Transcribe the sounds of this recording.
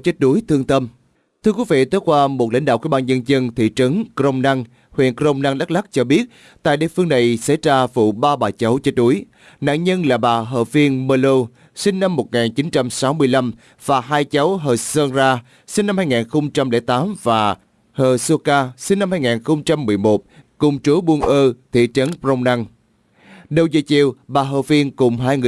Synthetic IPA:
t͡ɕə˦˥t̚ɗu˨˦əjt̪ʰɨ˧əŋt̪ə˧m | t̪ʰɨ˧əkwi˨˦vḭ˧˨t̪o˨˦˥jkwaː˧mo˨˩t̚la̰˧˥ŋɗa̰ː˧˨wkḭ˧˥˦ɓaː˧nzə˧nzə˧nt̪ʰḭ˧˨t͡ɕɨ˨˦ŋkɾə˧wŋ͡mna˧ŋ | hwḭ˧˨ənkɾə˧wŋ͡mna˧ŋɗa˦˥k̚la˦˥k̚t͡ɕɔ˧ɓi˦˥ət̚ | t̪a̰ː˧˨jɗḭ˧˨əfɨ˧əŋna˨˩jsə̰˧˥jzaː˧vṵ˧˨ɓaː˧ɓaː˨˩t͡ɕə˨˦wt͡ɕe˦˥t̚ɗu˨˦əj | na̰˧˨nɲə˧nlaː˨˩ɓaː˨˩ɦə̰ː˧˩vi˧ənməː˧lo˧ | sï˧ŋ̟na˧mːo˨˩t̚ŋaː˨˩nt͡ɕi˨˦nt͡ɕa˧msa˨˦wmɨ˧əjla˧m | v̥aː˨˩ɦaː˧jt͡ɕə˨˦wɦəː˨˩səː˧nzaː˧ | si˧ŋ̟na˧mhaː˧jŋaː˨˩nxə˧wŋ͡mt͡ɕa˧mlɛ̰˧˩t̪aː˨˦mvaː˨˩ | həː˨˩so˧kaː˧sï˧ŋ̟nːa˧mhaː˧jŋaː˨˩nxə˧wŋ͡mt͡ɕa˧mːɨ˨˩əjmo˨˩t̚kʊ˨˩ŋ͡mt͡ɕu˨˦ɓu˧ənʔəː˧t̪ʰḭ˧˨t͡ɕə˨˦npzə˧wŋ͡mna˧ŋ | ɗə˨˧˩wzə̰˨˩jt͡ɕi˨˩əwɓaː˨˩ɦəː˧˩vi˧ənkʊ˨˩ŋ͡mɦaː˧jŋɨ˨

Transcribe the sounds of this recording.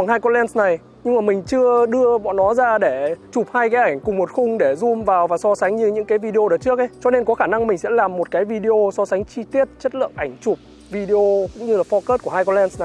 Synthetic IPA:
a˨˩ŋhaː˧jkɔ˧lɛ˧nsna˨˩j | ɲɨ˧ŋmaː˨˩mï˨˩ŋ̟t͡ɕɨ˧əɗɨ˧əɓɔ̰˧˨nɔ˨˦zaː˧ɗe˧˩t͡ɕʊ˨˩p̚haː˧jkaː˨˦jʔa˧˩jŋ̟kʊ˨˩ŋ͡mmo˨˩t̚xʊ˧ŋ͡mɗe˧˩zʊ˧mvaː˨˩wvaː˨˩sɔ˧sa˨˦ŋ̟ɲɨ˧ɲɨ̰˧˥ŋkaː˨˦jvi˧ɗe˧o˧ɗəː˨˩t͡ɕɨ˦˥ək̚ʔə˨˦jt͡ɕɔ˧ne˧nkɔ˨˦xaː˧˩na˧ŋmï˨˩ŋ̟sɛ̰˧˥laː˨˩mːo˨˩t̚kaː˨˦jvi˧ɗe˧ʔo˧sɔ˧sa˨˦jŋ̟t͡ɕi˧t̪i˦˥ət̚t͡ɕə˦˥t̚lɨ̰˧˨əŋʔa˧˩jŋ̟t͡ɕʊ˨˩k͡p̚ | vi˧ɗe˧ʔo˧kʊ̰˧˥ŋ͡mɲɨ˧laː˨˩fɔ˧kəː˦˥t̚ku˧˩əhaː˧jkɔ˧lɛ˧nsna˨˩j

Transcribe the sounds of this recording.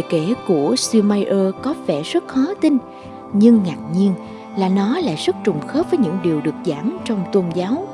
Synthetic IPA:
ə˨ke˧˩ku˧˩əswi˧maː˧jʔəː˧kɔ˨˦vɛ˧˩zə˦˥t̚xɔ˨˦t̪ï˧ŋn | ɲɨ˧ŋːaː˨˩k̚ɲi˧ən | laː˨˩nɔ˨˦la̰ː˧˨jzə˦˥t̚t͡ɕʊ˨˩ŋ͡mxəː˦˥p̚vəː˨˦jɲɨ̰˧˥ŋɗi˨˩əwɗɨ˨˩ək̚zaː˧˩mt͡ɕɔ˧wŋ͡mt̪o˧nzaː˨˦w

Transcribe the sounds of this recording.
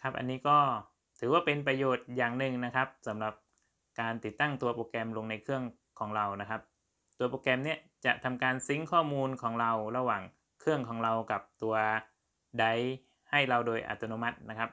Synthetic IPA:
kʰa˦˥p̚ʔa̰˧nːiː˦˥kɔː˥˩ | t̪ʰɯː˩˦waː˥˩pe˧npɾa˧joː˨˩t̪̚jaː˨˩ŋnɯ˨˩ŋna˦˥kʰa˦˥p̚sa˩˦mɾa˨˩p̚ | kaː˧nt̪i˨˩t̪ːa˥˩ŋt̪u˧ɐpoː˧kɛ˧mlo˧ŋna˧jkʰɯ˥˩əŋ | kʰɔː˩˦ŋɾa˧wna˦˥kʰa˦˥p̚ | t̪u˧ɐpoː˧kɛ˧mni˦˥˩ət͡ɕa˨˩ʔt̪ʰa˧mkaː˧nsi˦˥ŋkʰɔː˥˩muː˧nkʰɔː˩˦ŋɾa˧wɾa˧waː˨˩ŋ | kʰɯ˥˩əŋkʰɔː˩˦ŋɾa˧wka˨˩p̚t̪u˧ɐ | da˧˩j | ha˥˩jɾa˧wdoː˧jʔa̰˨˩t̪ːa˧noː˧ma˦˥t̪̚na˦˥kʰa˦˥p̚

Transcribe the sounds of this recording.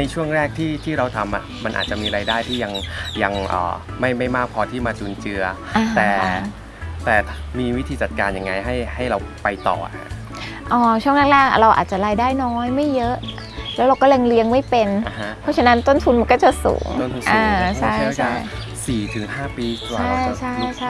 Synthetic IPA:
na˧jt͡ɕʰu˥˩əŋɾɛː˥˩k̚t̪ʰiː˥˩t̪ʰiː˥˩ɾa˧wt̪ʰa˧mʔa̰˨˩ma˧nʔa̰ː˨˩t̪̚t͡ɕa˨˩miː˧ɾaː˧jdaː˥˩jt̪ʰiː˥˩ja˧ŋja˧ŋʔə̰ː˨˩ma˥˩jma˥˩jmaː˥˩k̚pʰɔː˧t̪ʰiː˥˩maː˧t͡ɕuː˧nt͡ɕɯ˧ɐ | ʔa˧t̪ɛː˧˨˩ | t̪ɛː˨˩miː˧wi˦˥t̪ʰiː˧t͡ɕa˨˩t̪̚kaː˧nja˧˩ŋːa˧jɦa˥˩jha˥˩jɾa˧wpa˧jt̪ɔ̰ː˨˩a̰˩a̰˧˥ | ʔɔː˧˩t͡ɕʰu˥˩əŋla˥˩k̚lɛː˥˩k̚a̰˨˩ɾa˧wʔa̰ː˨˩t̪̚t͡ɕa˨˩ɾaː˧jdaː˥˩jnɔː˦˥jma˥˩jːɤ˦˥ʔ | lɛː˦˥wɾa˧wkɔ˥le˧ŋli˦˥əŋma˥˩jpe˧na˧˦pʰɔ˦˥t͡ɕʰa˧na˦˥nt̪o˥˩nt̪ʰu˧nma˧nkɔː˥˩t͡ɕa˨˩sṵː˩˦ŋ˥˩nt̪u˧nʔaː˧˩t͡ɕʰa˧˥˩jɯ˥t͡ɕʰa˥˩j | siː˨˩t̪ʰɯ˩˦ŋɦaː˥˩piː˧kwaː˨˩a˥˩jt͡ɕʰa˥˩jt͡ɕʰa˥˩

